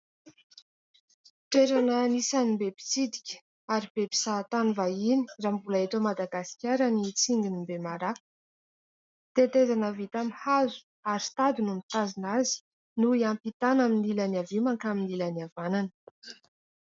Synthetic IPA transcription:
ʈ͡ʂeɾanənisanimbepi̥t͡sid̪i̥kʲə̥ | aɾib̥ebi̥sat̪anivaini̥rambulaet̪omad̪aɡasi̥kʲaɾənit͡siŋɡinimbemaɾa | t̪et̪ezanəvit̪amihazu̥ | aɾit̪ad̪unumit̪azinazi̥ | nuiampit̪anaminilaniavimaŋkaminilaniavananə̥

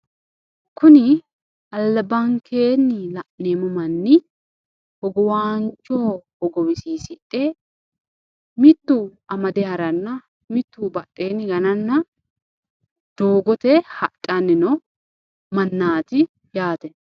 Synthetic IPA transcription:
kʊnɪ | ɐlːɐbɐŋkʰeːnːɪlɐʔneːmʊmɐnːɪ | hɔɡɔwaːnt͡ʃːoːhɔɡɔwɪsiːsɪʔʼːe | mɪt̪ːuʔɐmɐd̪ɛɐɾɐnːɐ | mɪt̪ːuːbɐtʼːe̞ːnːɪɡɐnɐnːɐ | d̪̥oːɡɔt̪ɛhɐtʼːɐnɪnɔ | mɐnːaːt̪ɪ | jaːt̪ɛ

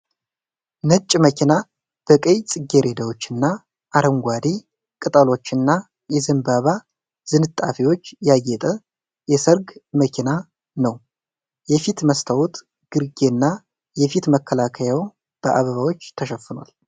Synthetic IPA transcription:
nɨt͡ʃʼːməkʰʲina | b̥əkʼəjt͡sʼɨɡːe̞ɾe̞d̪awo̞t͡ʃːɨnːa | ʔaɾəŋɡʷad̪i | kʼɨt̪ʼəlo̞t͡ʃːɨnːa | jɛzɨmbaβa | z̥ɨnɨt̪ʼːafiwo̞t͡ʃːjajːɛt̪ʼə | jɛsəɾɡməkʰina | nəw | jɛfit̪məst̪ʰawut̪ | ɡ̥ɨɾɡenːa | jɛfit̪məkʰːəlakʰəjaw | b̥əʔaβəβawo̞t͡ʃːt̪ʰəʃɛfːɨnwa̰l

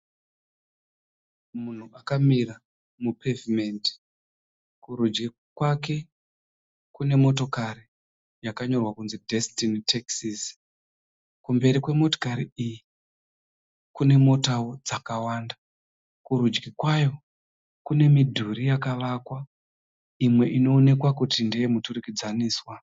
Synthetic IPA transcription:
mun̤uakamira | mupʰevime̞nti̥ | kuɾud͡ʒɡi | kwake̞ | kune̞mo̞to̞kari | jakaɲo̞rwakunzidʱe̞stinitʰeksis | kumbe̞ɾikwe̞mo̞to̥kaɾiiji | kune̞mo̞tawod͡zakawanda | kuɾud͡ʒɡikwajo̞ | kune̞midʱuɾijakaʋakwa | imwe̞ʔino̞ːne̞kwakutindejemuturukid͡zaniːswa

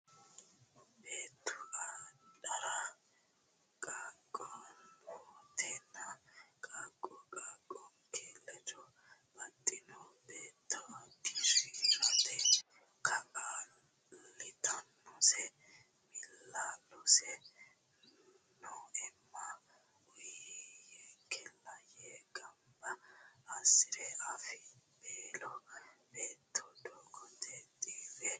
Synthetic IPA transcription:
beːt̪ʰːʊɐᶑɐɾa | kʼaːkʼːɔnboːt̪ʰɛnːɐkʼaːkʼːɔkʼaːkʼːɔnkʰeːlːɛd͡ʒɔ | bɐt̪ʼːɪnɔbeːt̪ʰːɔɡiʃiɾɐt̪ɛ | kʰɐkʼaː | lɪt̪ɐnːɔsɛ | mɪlːalɔsɛ | nɔɛmːɐ | ʊjjɛkʰɛlːɐjɛːɡʼɐmbɐː | sɪɾɛɐfɪb̥eːlɔbeːt̪ʰːɔd̪ɔɡɔt̪ɛt̪ʼiːdɛ

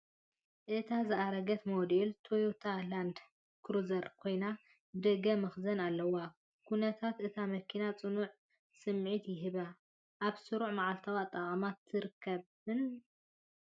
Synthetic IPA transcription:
ʔɨt̪ʰazɨʔaɾɐɡɐt̪mod̪elt̪ʰojot̪ʰaland̪ | kʰɾuzɐɾkʰo̞jna | d̪ɐɡɐmɐxzɐnalːɐwa | kʰunɐt̪ʰat̪ʔɨt̪ʰamɐkʰinat͡sʼɨnuʕ | sɨmʕit̪jɪɦɨβa | ʔaβsɨɾuʕmaʕalt̪ʰawat̪ʼːɐχʼɐmat̪ʰːɨɾɨkʰːɐβ | ɨn

